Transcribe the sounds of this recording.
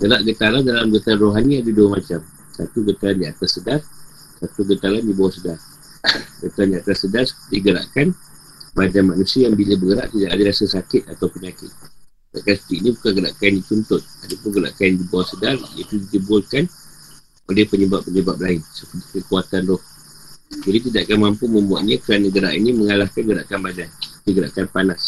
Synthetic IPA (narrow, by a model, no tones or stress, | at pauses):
ɡəɾaʔɡət̪alandalamɡət̪aɾanroɦanĩadaduəmat͡ʃam | sa̰t̪uɡət̪aɾandiat̪asːədar | sat̪uɡət̪alandibawahsədar | ɡət̪aɾandiat̪asːədarsəpədiɡəɾa̰ʔkan | badanmanusiəjaŋbiləbəɡəɾa̰ʔt̪idaʔadəlasəsakɪt̪̚at̪awpəɲakɪt̪̚ | ta̰ʔkansə̥t̪iʔnĩbukanɡəɾa̰ʔkanit͡ʃunt̪ʊt̪̚at̪apʊnɡəɾa̰ʔkandibawasədarjə̰t̪udit̪ibʊlkan | olɛhpəɲəbapːəɲəbap̚laɪnsəpətikəkuat̪andɔh | d͡ʒadit̪̬idaʔakanmampumə̃mbua̰ʔ̪̚ɲakəɾanə̃ɡəɾa̰ʔiniməŋalahkanɡəɾa̰ʔkanbadandiɡəɾa̰ʔkanpanas